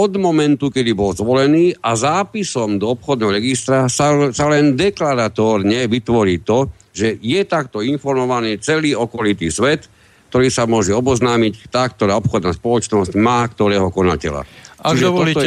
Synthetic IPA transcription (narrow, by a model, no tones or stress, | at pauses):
ɔd̪mɔmɛnt̪ukɛd̪ibɔlzʋɔlɛniːʔazaːpisɔmd̪ɔɔpxɔd̪nɛːɦɔɾɛɡist̪ɾasasalɛnd̪ɛklaɾat̪ɔːɾɲɛʋit̪ʋɔɾiːt̪ɔ | ʒɛjɛt̪ak̚t̪ɔinfɔɾmɔʋaniːt͡sɛliːɔkɔlit̪iːsʋɛt̪ | k̚t̪ɔɾiːsamʊɔʒɛɔbɔznaːmickt̪aːk̚t̪ɔɾaːɔpxɔd̪naːspɔlɔt͡ʃnɔscmaːkt̪ɔɾɛːɦɔkɔna̰cɛ̰la̰at͡ʃiʒɛɔit̪ɔ